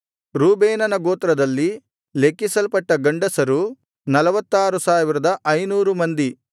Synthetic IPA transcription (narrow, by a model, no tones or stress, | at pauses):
ɾuːbeːnɐnɐɡoːt̪ɾɐd̪ɐlːi | lekːisɐlpɐʈːɐɡɐɳɖɐsɐɾu | nɐlɐʋɐt̪ːaːɾusaːʋiɾɐd̪ɐʔɐjnuːɾumɐnd̪i